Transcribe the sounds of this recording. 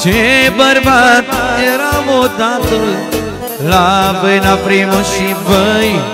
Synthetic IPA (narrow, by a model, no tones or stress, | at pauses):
d͡ʒʰebəɾbat̪eɾamod̪ãt̪ol | labəjnapɾiːmʃibəj